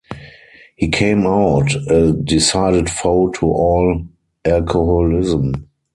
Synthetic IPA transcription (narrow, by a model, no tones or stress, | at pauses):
hiːkʰẽɪ̃maʊtɛdɪsaɪɾətfoʊtʰuʔɔːl | ʔælkʰohɔlɪzə̃m